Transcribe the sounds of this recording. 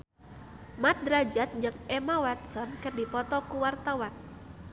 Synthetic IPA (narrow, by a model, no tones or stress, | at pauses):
mat̪̚d̪ɾad͡ʒat̪̚ɲd͡ʒəŋɛmawat̪sɔnkɨrdipɔt̪ɔkuwart̪awan